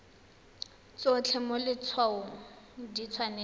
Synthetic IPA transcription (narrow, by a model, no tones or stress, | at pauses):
t͡sɔt͡ɬʰɛmʊlɪt͡sʰwaʊdit͡sʰwanɛ